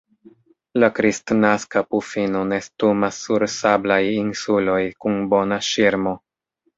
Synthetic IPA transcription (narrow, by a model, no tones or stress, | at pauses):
lakɾistnaskapufinone̞stumasːuɾsablajinsulo̞jkunbo̞naʃiɾmo̞